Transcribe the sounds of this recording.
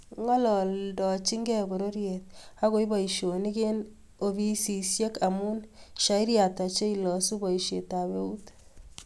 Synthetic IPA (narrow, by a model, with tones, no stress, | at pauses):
ŋɔ˦lɔ˨ldɔ˨t͡ʃi˦ŋɡɛ˦bo˨ɾo˦ɾjet̪̚a˦ko˦i˦ba˨iʃo˨ni˦ke˦n | o˨bi˦si˨sje˦ka˨mu˦nʃa˦i˦ɾja˨ta˨t͡ʃe˦i˦lɔ˨su˦ba˨iʃje˨ta˨be˦u˦t